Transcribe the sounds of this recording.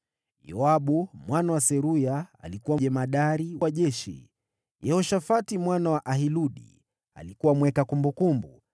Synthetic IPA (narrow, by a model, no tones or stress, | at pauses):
jɔaɓumwanawasɛɾuja̰ːlikuwaʄɛmaɗaɾiwaʄɛʃḭ | jɛhɔʃafatimwanawaʔaɦiluɗḭ | a̰likuwamwɛkakumbukumbu